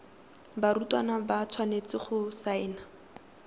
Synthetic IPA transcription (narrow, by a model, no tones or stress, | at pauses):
baɾutwanabat͡sʰwanet͡sɪχʊsaɪːna